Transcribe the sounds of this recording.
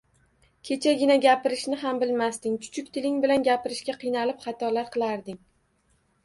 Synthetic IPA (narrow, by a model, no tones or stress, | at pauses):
kʲʰe̞t͡ʃʰaɡʲɪnaɡʲapɪɾɪʃnɪɦambɪlmast̪ɪŋt͡ʃʰʊ̥t͡ʃʰʊkʲt̪ʰɪlɪŋbɪlanɡʲapɪɾɪʃɡʲaqʰɨjnalɪpχɑt̪ʰɒlaɾqʰɨlˠaɾd̪ɪŋ